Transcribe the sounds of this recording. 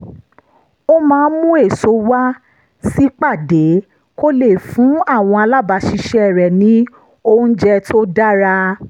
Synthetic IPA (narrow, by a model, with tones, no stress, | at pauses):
o˦mãː˨˦˧mũ˦e˦˨so˧wa˦ | si˦k͡pa˦˨de˨˦ | ko˦le˦˨fũ˨˦a˦˨w̃ɔ̃˧a˧la˦ba˧ʃi˧ʃɛ˦ɛ˦˨ɾɛ˨nĩ˨˦ | o˧ũ˦d͡ʒɛ˧tʰo˦da˦ɾa˧